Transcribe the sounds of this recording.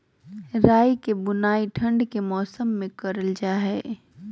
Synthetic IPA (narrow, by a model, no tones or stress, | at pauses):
ɾaːjkebʊnaːiʈʰɐ̃ɳɖkemɔːsəmːẽkɐɾəld͡ʒaːɦɛː